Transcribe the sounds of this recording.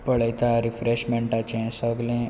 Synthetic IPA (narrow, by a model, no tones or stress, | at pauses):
pəɭəjt̪aɾifɾeɕmẽɳʈat͡ɕẽsəɡlẽ